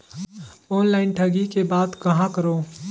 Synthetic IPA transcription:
ɔːnlaːɪnʈʰɐɡikebaːd̪kɐɦãkəɾoː

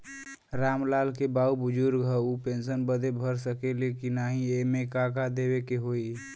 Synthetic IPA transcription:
ɾamlalkebaubʊd͡ʒuɾɡʱəupensənbəd̪ebʱəɾsəkelekinaɦiemekakad̪ebekeɦoi

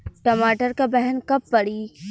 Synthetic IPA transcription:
ʈɐmaːʈəɾkabɛɦɛnkɐpːɐɽiː

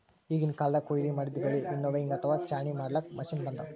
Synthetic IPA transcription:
iːɡinkaːlɐd̪ɐkojiɾimɐɽid̪iɡɐɭiʔinːoːʋeiŋɡɐt̪ʰɐʋaːt͡ʃaːɳimaːɽlɐk̚mɐʃiːnbɐnd̪ɐ

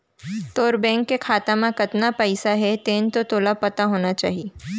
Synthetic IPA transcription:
t̪oːɾbɛ̃ːŋkːekʰaːt̪ãmãkɐt̪napɛɪsaɦɛt̪eːnt̪ot̪oːlapɐt̪aɦoːnat͡ʃa̰ːɦieː

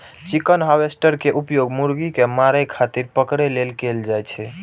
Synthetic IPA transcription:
t͡ʃikənɦawesʈəɾkeʔupjoɡmuɾɡikemaɾəkʰat̪iɾpəkɾɛlelkeld͡ʒajt͡ʃʰɛ

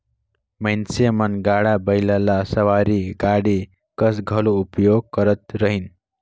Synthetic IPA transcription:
majnsemənɡaɽabəjlalasəʋaɾiɡaɽi | kʌsɡʱʌloupjoɡ̚kʌɾət̪ɾəɦin

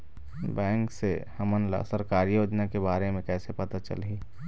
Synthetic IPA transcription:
bɛ̃ːŋksehɐmənla̰səɾkaːɾijoːd͡ʒnakebaːɾemẽkɛːsepɐt̪at͡ʃə̰li

